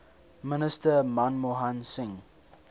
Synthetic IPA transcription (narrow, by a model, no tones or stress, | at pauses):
mənəstəmãnmoɦãnsɪ̃ŋ